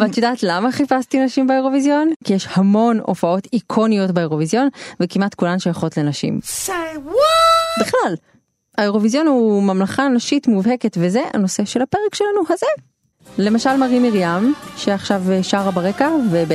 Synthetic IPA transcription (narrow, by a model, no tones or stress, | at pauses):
vat̪jodaːt̪lamaχifastinaʃimbaeʁo̞vizjo̞nkijeʃhamo̞no̞̰fao̞tikʰo̞nijo̞tbaeʁo̞vizjo̞nvekimat̪kulanʃojaχo̞tle̞naʃḭm | biχlal | aeʁo̞vizjo̞nhumamlaχanaʃitmuvhe̞ketve̞ze̞ʔa̰no̞se̞ʃe̞lhape̞ʁekʃe̞lanuhaze | le̞maʃalmaʁimiʁjamʃeaχʃaveʃaʁabaʁekaveb